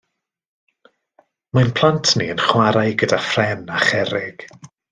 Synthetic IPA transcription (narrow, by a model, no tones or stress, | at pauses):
manpʰl̥ˠantʰniənχwaɾajɡədafrɛnaχɛɾɪɡ̥